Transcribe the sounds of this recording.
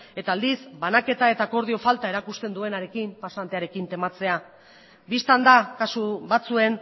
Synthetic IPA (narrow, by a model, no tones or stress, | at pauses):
e̞t̪aːld̪isbanake̞t̪ae̞t̪aːko̞ɾð̞io̞falt̪ae̞ɾakust̪e̞nd̪ue̞naɾe̞kimpasant̪e̞aɾe̞kint̪e̞mat͡se̞a | bist̪and̪akasuβat͡sue̞n